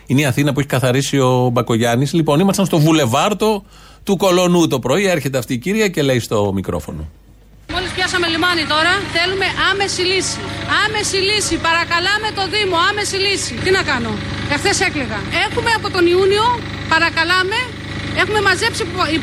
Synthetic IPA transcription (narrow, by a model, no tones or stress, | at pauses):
ineiɐθinɐp̬ueçi̥kɐθɐɾisio̞bɐko̞ʝɐnislipo̞nimɐst̪ɐnst̪o̞vule̞vɐɾt̪o̞ | t̪uko̞lo̞nut̪o̞pɾo̞ie̞ɾçe̞t̪eɐft̪iːciɾʝɐce̞le̞ist̪o̞mikɾo̞̰fo̞̰no̰ | mo̞lispçɐsɐme̞limɐnit̪o̞ɾɐθe̞lume̞ʔɐme̞silisiɐme̞silisipɐɾɐkɐlɐme̞t̪o̞ðimo̞ɐme̞silisit̪inɐkɐno̞ | efθese̞kliɣɐe̞xume̞ɐpo̞t̪o̞niunio̞ | pɐɾɐkɐlɐme̞ | exume̞mɐze̞psii